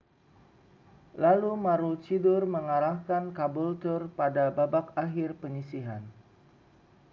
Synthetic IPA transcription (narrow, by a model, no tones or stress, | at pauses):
lalumaɾʊlt͡ʃidʊrməŋaɾahkankabult̪ʊrpadababakaɦɪrpəɲisiɦan